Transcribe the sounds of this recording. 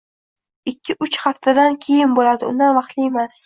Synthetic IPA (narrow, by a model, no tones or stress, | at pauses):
ɪkʲʰːɪʔʊt͡ʃχaft̪ʰad̪ankʲʰe̞jɪnbolad̪ɪʊ̰nd̪anvɑχt̪lɪemas